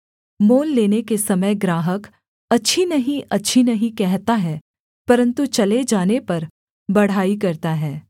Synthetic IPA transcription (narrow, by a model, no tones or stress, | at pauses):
moːlːeːnekesɐməjɡɾaːɦək | ɐtːʃʰinɐɦĩʔʔɐtːʃʰinɐɦĩkɛɦt̪aɦɛː | pɐɾə̃nt̪ut͡ʃɐled͡ʒaːnepɐɾ | bɐɽ̤aːikɐɾt̪aɦɛː